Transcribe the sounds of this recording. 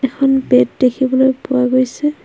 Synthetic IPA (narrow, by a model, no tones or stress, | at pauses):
ɛkʰɔnbɛt̚dekʰibɔlojpʊwaɡojsɛ